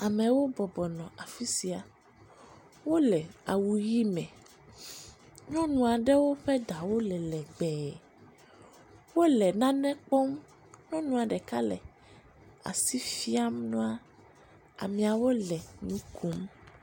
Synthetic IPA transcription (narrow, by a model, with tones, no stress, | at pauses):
a˨mɛ̃˨wo˦bɔ˨bɔ˨nɔ̃˨ʔa˨fi˦si˨a˨ | wo˦lɛ˨a˨wu˨ji˦mɛ̃˨ | ɲɔ̃˦nũ˨a˨ɖɛ˦wo˦ɸɛ˦ɖa˨wo˦lɛ˨lɛ˨ɡ͡bɛː˨ | wo˦lɛ˨nã˦nɛ̃˦k͡pɔ˦m | ɲɔ̃˦nũ˨a˨ɖɛ˨ka˦lɛ̰˨ | a̰˨si˦fi˦a˦mnɔ̃˦a˦ | a̰˨mĩ˨a˨wo˦lɛ˨ɲũ˦ku˦m